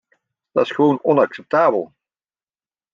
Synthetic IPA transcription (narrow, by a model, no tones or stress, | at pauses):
d̥ɑɪ̥sχəʋownɔnɑksɛp̚taːbəlˠ